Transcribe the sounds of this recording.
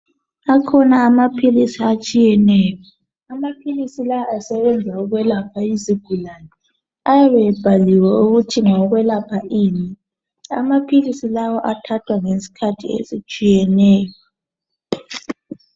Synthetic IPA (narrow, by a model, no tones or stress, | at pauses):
akʰɔnaːmapʰilisiat͡ʃʼijɛnɛːjɔ | amapʰilisilaasɛβɛnd͡zʱauɣwɛlapʰaiziɡ̥ʱulanɛ | ajaβɛb̥ʱaliwɛuɣutʰiŋɔɣwɛlapʰaʔiːni | a̰mapʰilisilawɔʔatʰatʰwaŋesi̥kʰatʰḭḛzit͡ʃʼijɛnɛːjɔ